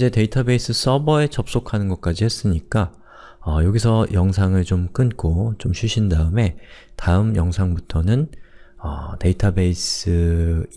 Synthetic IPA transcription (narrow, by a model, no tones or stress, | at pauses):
id͡ʑe̞te̞itʰabe̞is͈ʰɯs͈ʌbʌe̞t͡ɕʌp̚s͈okʰanɯnɡʌk̚k͈ad͡ʑihe̞s͈ɯɲik͈a | ʌjoɡisʰʌjʌŋs̬ʰaŋɯɭt͡ɕomk͈ɯnk͈ot͡ɕomɕʰuɕʰindaɯme̞taɯmjʌŋsʰaŋbutʰʌnɯnʌte̞itʰabe̞is͈ɯ